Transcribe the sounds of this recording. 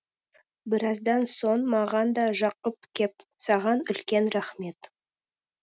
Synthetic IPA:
bɪɾɑzd̪ɑnso̞ɴmɑʁɑnd̪ɑʒɑqəp̚kʲʰe̞p̚ | sɑʁɑnʏlkʲe̞nɾaχme̞t̪

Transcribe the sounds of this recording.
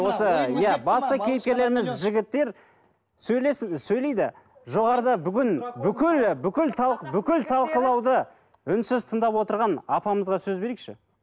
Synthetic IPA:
wo̞səjæbɑst̪əkʲʰejɪp̚kʲeɾle̞ɾɪmɪzʒɪɡʲɪt̪ːe̞ɾ | sɵjesɵjle̞jd̪ɪ̰ | ʒo̞ʁɑɾəd̪ɑbʏɡʲɪnbʏkʲɪlbʏkʲɪlt̪ʰɑbʏkʲɪlt̪ʰɑlˠqəlˠɑwd̪ə | ʏnsɪzt̪ʰənd̪ɑpwo̞t̪əɾʁɑnɑpɑməzʁɑsɵzbe̞ɾekʃɪ̰

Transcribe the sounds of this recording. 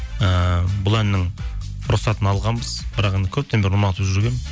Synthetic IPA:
əbʊlˠænːɪŋ | ʊɾʊsɑt̪ənɑlˠʁɑnbəz̥bɪɾɑqend̪əkʲʰɵp̚t̪ʰembeɾumɑt̪əpʒʏɾɡʲe̞n

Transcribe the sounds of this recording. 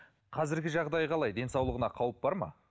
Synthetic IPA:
qʰɑzɪɾɡʲɪʒɑʁd̪ɑjʁɑlˠɑjd̪e̞nsɑwlˠəʁənɑqʰɑwəp̚bɑɾmɑ̰

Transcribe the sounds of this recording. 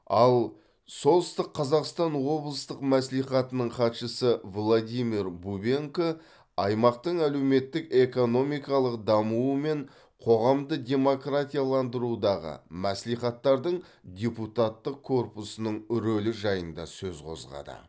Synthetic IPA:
ɑlˠ | so̞lˠəst̪əqʰːɑzɑqst̪ɑnwo̞blˠəst̪əqmæsliχɑt̪ənəɴχɑt̪ʃəsəvlˠod̪ʲijmiɾbubeŋko | ɑjmɑq̚t̪əɴælewme̞t̪ːɪke̞ko̞no̞mijkɑlˠəqd̪ɑmuəme̞ɴ | qʰo̞ʁɑmd̪əd̪ʲe̞mo̞krat̪ʲijalˠɑnd̪əɾud̪ɑʁə̰mæsliχɑt̪ːɑɾd̪əɴ | d̪ʲe̞put̪at̪ːəq̚kʰːo̞rpusənəɴʏɾɵlɪʒɑjənd̪ɑ̰sɵzqʰo̞̰zʁɑ̰d̪ə̰

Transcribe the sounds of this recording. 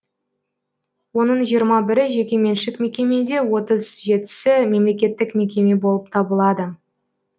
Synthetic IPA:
wo̞nəɴʒijəɾmɑbɪɾɪʒe̞kʲe̞me̞nʃɪkme̞kʲe̞me̞d̪e̞wo̞t̪əzʒe̞t̪ɪ̥sɪme̞mle̞kʲe̞t̪ːɪkme̞kʲe̞me̞bo̞lˠəp̚t̪ʰɑbəlˠɑd̪ə

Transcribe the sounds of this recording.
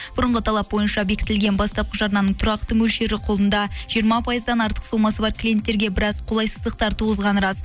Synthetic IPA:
b̥ʊɾəɴʁət̪ʰɑlˠɑp̚bo̞jənʃɑbe̞kʲɪ̥t̪ɪlɡʲenbɑst̪ɑp̚qəʒɑɾnɑnəɴt̪ʰʊɾɑqt̪əmɵlʃe̞ɾɪqʰolˠənd̪ɑʒ̥ijəɾmɑpʰɑjəzd̪ɑnɑɾt̪ə̥qsolˠmɑsəbɑɾkʰʲlʲije̞nt̪ːe̞ɾɡʲe̞bɪɾɑzqʰolˠɑjsəzd̪əq̚t̪ɑɾt̪ʰuʁəzʁɑnɾɑz

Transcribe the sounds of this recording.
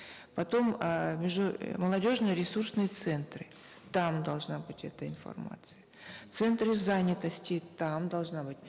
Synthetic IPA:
pɐt̪o̞mmʲɪʐʊməlˠɐdʲo̞ʐnɨjəɾʲɪsursnɨjət̪sɛnt̪ɾɨ | t̪amd̪ɐlˠʐnabɨtʲɛt̪əɪnfɐ̰rma̰t̪sɨjə | t̪sɛnt̪ɾɨzanʲɪt̪əsʲtʲɪt̪amd̪ɐlˠʐnabɨtʲ

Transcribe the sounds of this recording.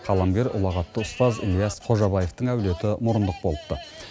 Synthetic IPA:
qʰɑlˠɑmɡʲe̞ɾʊ̰lˠɑʁɑt̪ːəʊst̪ɑzḭlijɑsqʰo̞ʒɑbɑje̞ft̪əɴæwle̞t̪ɪmʊɾənd̪əq̚bo̞lˠəp̚t̪ə

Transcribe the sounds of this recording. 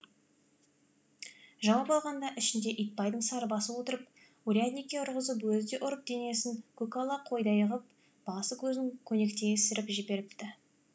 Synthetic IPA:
ʒɑwɑpɑlˠʁɑnd̪ɑʔɪʃɪnd̪e̞ʔijt̪̚pɑjd̪əɴsɑɾəbɑsəpwo̞t̪əɾəp | uɾʲiad̪nijkʲːeʊɾʁəzəpwɵzd̪e̞ʔʊɾəp̚d̪̥e̞ne̞sɪŋkʰukalˠɑqʰo̞jd̪ɑjəʁəp̚ | b̥ɑsəkʲʰɵznɪŋkʲʰɵne̞kt̪e̞ɡʲesɪɾɪpʒɪbe̞ɾɪpt̪ɪ

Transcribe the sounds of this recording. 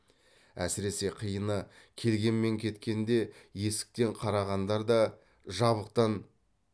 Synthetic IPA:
æ̰sɪɾe̞se̞qʰijənə | kʲʰe̞lɡʲe̞nme̞ŋkʲʰe̞t̪kʲe̞nd̪e̞je̞sɪ̥k̚t̪e̞ɴqʰɑɾɑʁɑnd̪ɑɾd̪ɑ | ʒɑβəq̚t̪ɑn

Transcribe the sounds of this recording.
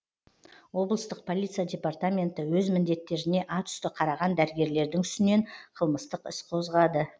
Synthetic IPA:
wo̞blˠəst̪əq̚pʰo̞lʲˠit̪sɨjadʲe̞part̪amʲe̞nt̪əwɵzmɪnd̪e̞t̪ːe̞ɾɪne̞ʔɑt̪ʰʏ̥st̪ɪqʰɑɾɑʁɑnd̪æɾɪɡʲe̞ɾle̞ɾd̪ɪŋʏst̪ɪne̞ɴqʰəlˠməst̪əqɪsqʰo̞zʁɑd̪ə

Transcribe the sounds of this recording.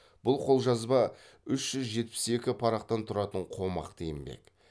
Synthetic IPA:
b̥ʊlˠqʰo̞lˠʒɑzbɑ | ʏʃʒ̥ʏzʒe̞t̪̚pɪ̥se̞kʲɪpʰɑɾɑqt̪ɑnt̪ʰʊɾɑt̪əɴqʰo̞mɑ̰qt̪ʰejɪmbḛk

